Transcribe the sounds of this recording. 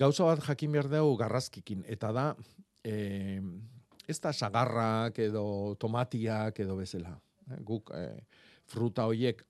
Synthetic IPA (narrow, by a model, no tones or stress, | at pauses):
ɡawsaβat̪ʝakimbe̞aɾðewɣaraskikine̞t̪aða | e̞st̪asaɣarake̞ðo̞t̪o̞mat̪iake̞ðo̞βe̞sela | ɡuk | fɾut̪ao̞ɾie̞k